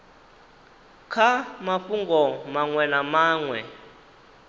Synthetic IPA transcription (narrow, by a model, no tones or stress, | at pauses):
kʰamaɸuŋɡɔmaŋwɛnamaːŋwɛ